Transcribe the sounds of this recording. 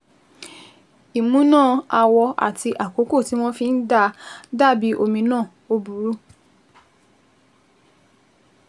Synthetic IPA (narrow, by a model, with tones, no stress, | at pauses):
i˨mũ˨˦nãː˦˨a˧wɔ˧a̰˨tʰi˧ʔa˨ko˨˦ko˦˨ti˨˦w̃ɔ̃˦fĩ˧n̩˦da˧da˦˨bi˨˦ʔo˧mĩ˧nãː˦˨ | o˧bu˨ɾu˦